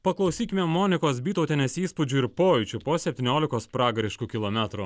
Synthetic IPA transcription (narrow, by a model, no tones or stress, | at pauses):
pɐklˠɐʊsʲiːkʲɪmʲɛmoːnʲɪkoːsbʲiːt̪ɐʊt̪ʲɛnʲeːsiːspʊd͡ʒʲuɪɾpoːjʊt͡ʃʲʊpoːsʲɛpʲt̪ʲɪːnʲoːlʲɪkoːspɾɑːɡɐɾʲɪʃkukʲɪlˠoːmʲæt̪ɾu